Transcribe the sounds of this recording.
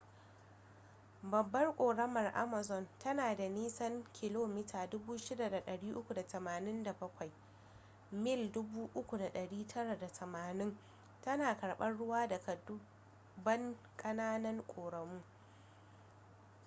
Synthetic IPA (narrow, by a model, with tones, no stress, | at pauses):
bɐ˨bːɐ˦rkʷʼoː˨ɽɐ˦mɐ˨rʔa̰˦mɐ˨zɔ˨ntʰɐ˦naː˨da˨niː˦sɐ˦ŋkʲʰɪ˨loː˦mɪ˦tʰaː˨dʊ˦buː˦ʃɪ˦da˨da˨ɗɐ˨ɽiː˦ʔʊ˦kʷu˨da˨tɐ˨maː˨nɪ˦nda˨bɐ˦kʷa˨j | mɪ˦˨ldʊ˦buː˦ʔʊ˦kʷu˨da˨ɗɐ˨ɽiː˦tʰɐ˦ɽa˨da˨tʰɐ˨maː˨nɪ˦ŋ | tɐ˦naː˨kɐ˨ɽɓɐ˦nɽʊ˦waː˦dɐ˨kɐ˨dʊ˦ | bɐ˦ŋ | kʼɐ˦naː˦nɐ˦ŋkʷʼoː˨ɽɐ˨muː˦